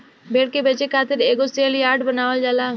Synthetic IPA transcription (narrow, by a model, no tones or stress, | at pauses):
bʱeːɽkebeːt͡ʃekʰaːt̪ɪɾeːɡoseːljaːɾɖbənaːʋəld͡ʒaːla